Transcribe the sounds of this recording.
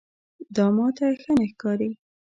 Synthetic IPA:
d̪ɑmɑt̪axənexkɑɾi

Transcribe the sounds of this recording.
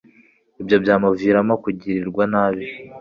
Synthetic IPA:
ibjo̞bjaːmaviːɾamakuɟiɾiɾɡwanaːβi

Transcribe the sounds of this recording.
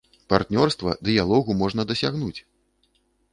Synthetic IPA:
part̪nʲɔrst̪vɐ̰d̪ɨjalˠɔɣumɔʐn̪ɐd̪ɐsʲaɣnut͡sʲ

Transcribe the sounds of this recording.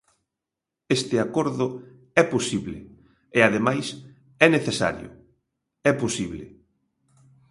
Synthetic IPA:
est̪ɪakoɾðʊ | ɛposiβlḛ | eaðemajs | ɛneθesa̰ɾjʊ̰ | ɛposiβlḛ

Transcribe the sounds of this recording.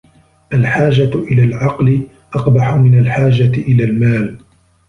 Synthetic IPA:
ʔalħaːd͡ʒaʔɪlaːlʕɑqlɪ | ʔɑqbaħʊmɪnalħaːd͡ʒaɪʔɪlaːlmaːl

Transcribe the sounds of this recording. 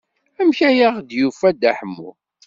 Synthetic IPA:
æmçæjaʁd̪jufæd̪æħəmːṵ

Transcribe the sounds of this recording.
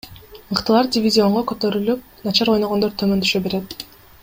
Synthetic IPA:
mɯqt̪ɯlˠɑɾdʲɪvʲizʲio̞ɴʁokø̞t̪ø̞ɾylyp̚ | nɑt͡ʃɑɾo̞jnoʁond̪oɾt̪ʰømø̞nt̪ʰy̥ʃøbe̞ɾet̪

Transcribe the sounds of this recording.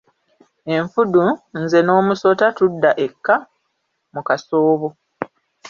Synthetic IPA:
e̞ɱfudunze̞no̞ːmuso̞tatudːaʔe̞kːa | mukaso̞ːβo

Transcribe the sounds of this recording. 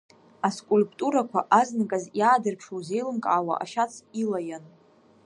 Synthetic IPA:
askʷʼulpʼtʼuɾakʷʰaʔaznakʼazjaːdɨrpʰʂowze̞jlɨmkʼaːwa̰ʔa̰ʃat͡sʰilajan

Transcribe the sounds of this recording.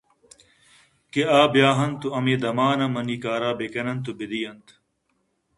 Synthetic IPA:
keaːbjaːɦɐnt̪uɐmeːd̪ɐmaːnɐmɐniːkaːɾaːbekɐnɐnt̪ubid̪ijɐnt̪

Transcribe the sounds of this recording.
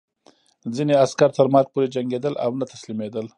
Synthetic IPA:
zineaskaɾt̪əɾmɑɾk̚poɾed͡ʒaŋɡed̪əla̰wnat̪ḁslimed̪əl

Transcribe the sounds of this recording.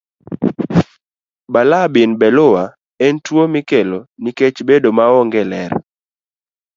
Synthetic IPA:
balabɪnbɛlowa | ɛntwomikeloniket͡ʃbedomaɔŋɡɛlɛɾ

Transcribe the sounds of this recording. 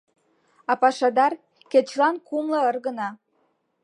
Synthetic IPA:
ɑpɑʃɑd̪ɑr | ket͡ɕlɑnkumlɤərɣənɑ

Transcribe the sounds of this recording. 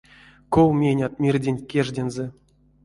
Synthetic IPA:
kowmʲenʲat̪̚mʲirʲdʲenʲkʲeʐdʲenze

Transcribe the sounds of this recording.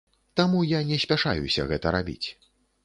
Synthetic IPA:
t̪amujanʲɛsʲpʲaʂa̰jṵsʲɐ̰ɣɛt̪ɐɾabʲḭt͡sʲ

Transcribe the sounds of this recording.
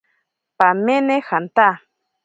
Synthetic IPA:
pamenexant̪a

